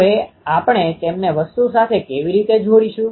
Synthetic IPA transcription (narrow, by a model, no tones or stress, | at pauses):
e | apɳ̃et̪emneʋəst̪usat̪ʰekeʋiɾit̪ed͡ʒʱoɽiʃũ